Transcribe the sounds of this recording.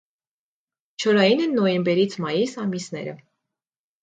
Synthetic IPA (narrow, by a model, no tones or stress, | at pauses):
t͡ʃʰɔɾɑjinɛnːɔjɛmbɛɾit͡sʰmɑjisɑmisnɛ̰ɾə̰